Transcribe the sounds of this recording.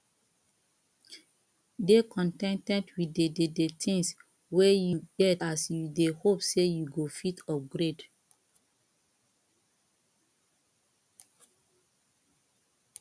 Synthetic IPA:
dekʰɔ̃ntɛ̃ntɛ̃ntwidededetʰĩŋs | wɛjuɡɛtasjudehopsejuɡofitʰɔfɡɾed

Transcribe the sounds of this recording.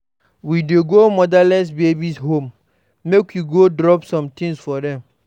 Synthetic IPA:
wideɡomɔdalɛsbebisɦõmː | ekjuɡodɾɔpsɔ̃mtĩŋsfɔdɛ̃m

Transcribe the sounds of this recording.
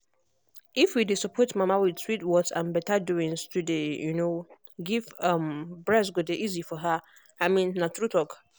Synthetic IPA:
ifwidesɔpʰɔtmãmãwɪdswitwɔksã̰nbɛtaduɪ̃ŋstʰudejuno | ɡivãmbɹɛs̬ɡodeʔizifɔɦa | amĩnːãtɾutʰɔk

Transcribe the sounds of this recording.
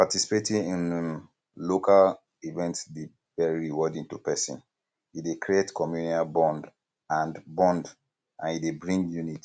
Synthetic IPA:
patisi̥petĩnĩn | lokal | ivɛ̃ntsde | vɛiiwɔdĩŋtupɛsḭ̃n | idekɹietkʰɔmjuniabɔ̃nd | ãndbɔ̃nd | ʔã̰nidebɹĩŋɡjunit

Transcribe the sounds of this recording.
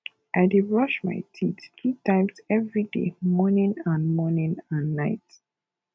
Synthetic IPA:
ʔaɪdeɹɔʃma̰ɪtʰitkutãɪ̃msɛvɹidḛmɔnĩnãnmɔnĩnãnːaɪt

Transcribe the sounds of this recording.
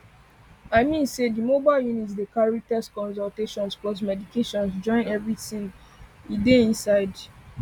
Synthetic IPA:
aɪmĩnsedimobaɪljunitsdekaɹak̚taskɔ̃ns̬ɔlteʃɔ̃nsblɔs̬mɛdikʰeʃɔ̃nsd͡ʒɔ̃ɪ̃nɛvɹiθĩŋ | ideĩnsaɪd

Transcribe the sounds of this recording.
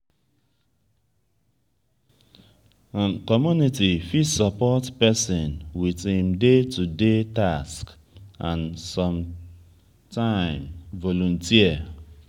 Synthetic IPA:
ãnkɔmjunitifisɔpɔtpɛsĩnwitĩmdetudetask | ãnsɔ̃m | tʰãɪ̃mvɔlɔ̃ntiə

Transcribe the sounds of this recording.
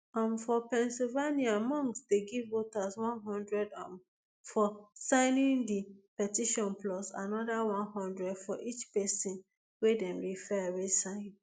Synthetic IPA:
ãmfɔpɛ̃nsivaniamɔ̃ŋksdeɡivːotaswɔ̃nɦɔ̃ndɹɛdɔ̃m | fɔsãɪnĩndipɛtiʃɔ̃nplɔsa̰nɔdawɔ̃nhɔ̃ndɹɛdfɔʔit͡ʃpɛsĩn | wedɛ̃mɹifɛwesãɪ̃n

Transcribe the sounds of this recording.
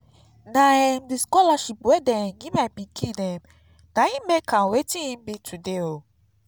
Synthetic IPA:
nãɛmdiskɔlaʃip̚wɛdɛ̃ɡĩmabĩkʰĩnɛ̃m | nãjĩmekʰãwetĩĩmbitʰudeo

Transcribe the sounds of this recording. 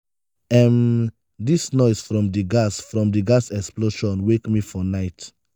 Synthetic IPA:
ɛ̃m | disnɔɪsfɹɔ̃mdiɡasfɹɔ̃mdiɡasɛksploʃɔ̃nwekmifɔnaɪt

